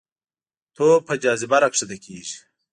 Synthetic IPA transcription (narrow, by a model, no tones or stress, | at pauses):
t̪ʰoːpʰɐd͡ʑɑːzibɐɾɐkʂid̪ekʰiːʒi̥